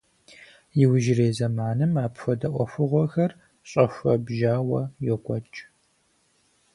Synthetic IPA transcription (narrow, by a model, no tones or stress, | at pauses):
jɪwʒɪreːzɐmaːnɨmaːpfɔdɐʔʷɔxʷʊʁʷɔxɐr | ɕʼɐfʷɐbʒaːwɐjɛkʷʼɔt͡ʃʼ